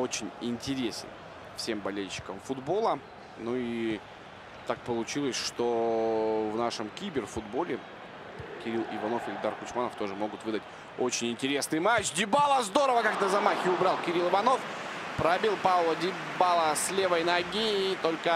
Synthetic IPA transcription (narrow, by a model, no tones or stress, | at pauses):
o̞t͡ɕɪnʲɪnʲtʲɪɾʲesʲɪ̰n | fsʲe̞mbɐlʲelʲɕːɪ̥kəmfʊd̪bo̞lˠə | nui | t̪ak̚pəlˠʊt͡ɕilˠəsʲʂt̪o̞ | vnaʂɨmkʲibʲɪrfʊd̪bo̞lʲɪ | kʲɪɾʲilˠɪ̰vɐno̞fɪlʲɪd̪arkʊt͡ɕmanəft̪o̞ʐɨmo̞ɡʊt̪vɨd̪ətʲ | o̞t͡ɕɪnʲɪnʲtʲɪɾʲe̞snɨjmat͡ɕdʲɪbalˠəzd̪o̞ɾəvəkaknəzɐmaxʲɪʊbɾɑlˠkʲɪɾʲilˠɨvɐno̞fpɾɐbʲilˠpavlˠədʲɪ | balˠəsʲlʲe̞vəjnɐɡʲiːt̪o̞lʲkə